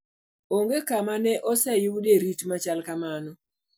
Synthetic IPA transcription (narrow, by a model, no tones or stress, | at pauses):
oŋɡekamanɛʔɔsɛjuwuɗeɾitmat͡ʃalkamanɔ